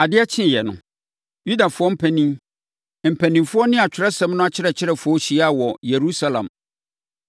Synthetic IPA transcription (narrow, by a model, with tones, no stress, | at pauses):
a˨dɪ˦ɛ˦t͡ɕʰɪ̃˦˨jɛ˨nʊ̰̃˨ | ju˦da˨fʊ˦ɔ˦m̩˦pʰæ̃˨nĩ˦m | m̩˨pʰæ̃˨nĩ˨mfʊ˦ɔ˦nɪ̃˦a˨t͡ɕᶣʰɪ˨ɾa˦sɛ̃˦mnʊ̃˦a˦t͡ɕʰɪ˦ɾɛ˨t͡ɕʰɪ˦ɾɛ˨fʊ˦ɔ˦ɕi˨˦a˦˨wɔ˨je˨ɾu˦sa˦lã̰˨m